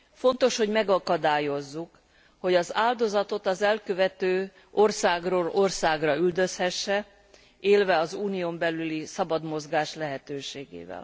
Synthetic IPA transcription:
fo̞n̪t̪o̞ʃho̞ɟmɛɡɒkɒd̪aːjo̞zːuk | ho̞ɟɒzaːld̪o̞zɒt̪o̞t̪ɒzɛlkøvɛt̪øː | o̞rsaːɡroːlorsaːɡrɒyld̪øshɛʃːɛ | eːlvɛɒzuːniombɛlylisɒbɒd̪mo̞zɡaːʃlɛɦɛt̪øːʃeːɡḛːvɛ̰l

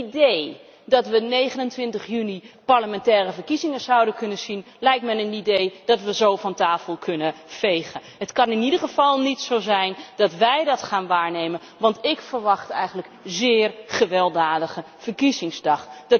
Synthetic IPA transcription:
idej | dɑtʋənejχənəntʋɪntəχjynipaɹləmɛntɛːrəvəɹkizɪŋəzʌwdənkɵnəsin | lɛjk̚tmɛnənidejd̥ɑtʋəzowfɑntaːfəlˠkʰɵnəfejχəɦətkɑnɪnidəχəvɑlˠnitsowzɛjndɑtʋɛjdɑtχaːnʋaːɹnejmən | ʋɑntɪkfəɹʋɑχtɛ̰jχənləkzɪːrχəʋɛlˠdaːdəχə | fəɹkizɪŋzdɑχd̥

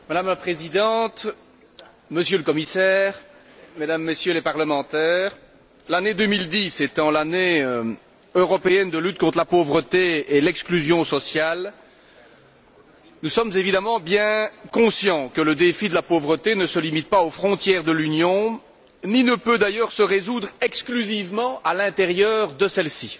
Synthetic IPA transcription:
mad̪amlapχezid̪ɑ̃t̪ | məsjøləkɔmisɛːʁ | med̪amːesjølepaʁləmɑ̃t̪ɛːʁ | laned̪ømild̪iset̪ɑ̃laneø | øʁɔpeɛnd̪əlyt̪̚kɔ̃t̪χəlapovʁət̪eelɛksklyzjɔ̃sɔsjal | nusɔmzevid̪amɑ̃bjɛ̃kɔ̃sjɑ̃kələd̪efid̪əlapovʁət̪enəsəlimit̪̚paofχɔ̃t̪jɛʁd̪əlynjɔ̃ | ninəpød̪ajœːʁsəʁezud̪ʁɛksklyzivmɑ̃alɛ̃t̪eʁjœːʁd̪əsɛlsi

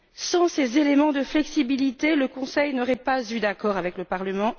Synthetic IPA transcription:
sɑ̃sezelemɑ̃d̪əflɛksibilit̪eləkɔ̃sɛjnɔʁɛpazyd̪akɔʁavɛkləpaʁləmɑ̃

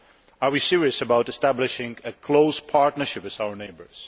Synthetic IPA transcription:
əɹwisɪɹiɨsəbaʊtɨstæblɪʃɪ̃ŋɨkʰl̥oʊspʰaɹtⁿnə˞ʃɪpɨzaʊə˞neɪbə˞z̥

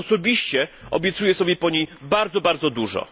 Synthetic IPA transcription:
ɔsɔbʲiɕt͡ɕɛ | ɔ̰bʲjɛt̪sujɛsɔbʲjɛpɔɲejbaɾd̪zɔbaɾd̪zɔd̪uʐɔ̰

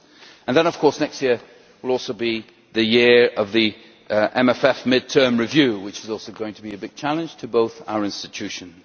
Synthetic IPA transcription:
ə̃nðə̃nʌv̥kʰɔɹsnɛkstjɪɹ | wɪlˠɔlˠsoʊbi | ðɨjɪɹʌvði | ʔɛ̃mɛfɛfmɪd̚tʰɜ̃˞mɹɨvjʉwɨt͡ʃɨzɔˑlˠsoʊɡoʊɪ̃ŋtʰəbiɨbɪɡ̚t͡ʃʰalˠɨ̃nd͡ʒʒ̥tʰɨboʊθa̰ʊə˞ɪ̃nstɨtʰʉʃɨ̃nz̥

